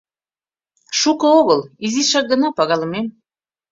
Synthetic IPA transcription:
ʃukɤ̆oɣəlˠiziʃɑk̚ɡə̆nɑpɑɣɑlˠɤ̆mem

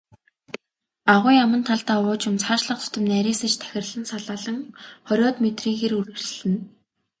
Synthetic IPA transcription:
aʁʊːjamə̆nt̪ʰaɮt̪aːʊːt͡ɕɪ̆mt͡sʰaːʃɮə̆q̚t͡sʰʊ̥t̪ɵ̆mnæɾʲiːsə̆t͡ɕt̪ʰæ̥xʲɪ̆rɮə̆nsaɮaːɮə̆ŋχɔɾʲɔːt̪met̪riːŋɣeːɾurɘ̆ɮɘ̆n

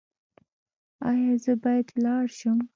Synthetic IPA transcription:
ɑjɑzəbɑjad̪lɑɽʃum

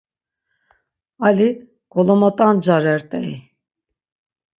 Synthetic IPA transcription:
ali | ɡ̥ɔlˠɔmɔt̪ʼand͡ʒaɾɛɾt̪ʼɛ̰j

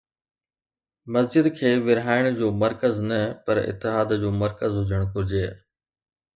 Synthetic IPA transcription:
mɐzd͡ʑɪd̪kʰeːʋɪɾɦaːɪɽ̃d͡ʑoːmɐɾkəznɐpɐɾɪ̰t̪ːɪɦaːd̪d͡ʑoːmɐɾkəzɦʊd͡ʑəɽ̃kʊɾɪd͡ʑeː

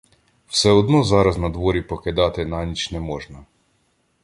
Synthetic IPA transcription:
wsɛɔd̪nɔzɑɾɐznɐd̪ʋɔɾʲipɔked̪ɑt̪ɪnanʲit͡ʃnɛmɔʒnɐ

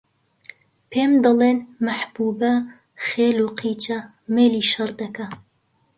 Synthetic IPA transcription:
pʰeːmd̪ɐleːnmɐħb̥uːbɐ | χeːluːqʰiːt͡ʃɐ | meːliːʃɐrd̪ɐkɐ

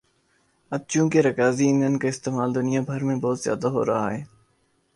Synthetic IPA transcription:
əd̪̚t͡ʃũːkeɾɐkaːziɪ̃nd̪ʱənɪ̆kaːɪst̪eːmaːld̪ʊnɪjabʱɐɾmẽbɔːt̪zja̰ːd̪aɦo̰ːɾɐɦaːɦeː

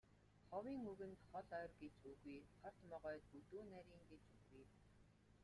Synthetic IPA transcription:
χɔwiːŋɵɣɘ̆nt̪χɔɮœːrɡet͡ɕuɣujχʰɔr̥t̪mɔʁœːt̪ut̪uːnæɾʲiːŋɡet͡ɕɵɣuj

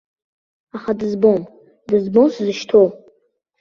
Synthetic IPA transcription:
aχadɨzbom | dɨzbomsɨzɨʃtʰow

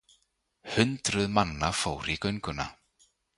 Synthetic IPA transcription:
hʏnt̪ɾʏðmanːafoːwɾikœɥjŋkʏna̰

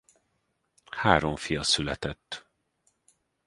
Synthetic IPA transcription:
haːɾoɱfijɒsylɛt̪ɛt̪ː

